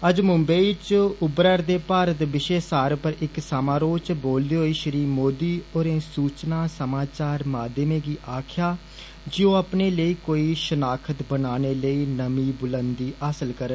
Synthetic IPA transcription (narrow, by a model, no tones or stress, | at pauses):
əd͡ʒmʊmbəit͡ʃʊbɾəɾd̪eːpaːɾət̪ʋɪʃeːsaːɾpəɾɪksamaːɾoːt͡ʃboːld̪eːɦoːiːʃəɾiːmoːd̪iːoːɾẽːsuːt͡ʃnaːsəmaːt͡ʃaːɾmaːd̪əmẽːɡiːʔaːkʰjaː | d͡ʒɪõːəpneːləiːkoːiːʃənaːkʰət̪bənaːneːləiːnəmiːbʊlənd̪iːʔaːsəlkəɾə